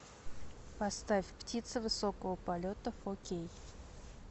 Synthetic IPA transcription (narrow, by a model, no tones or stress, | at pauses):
pɐst̪afʲptʲit̪sɨvɨsokəvəpɐlʲot̪əfokʲej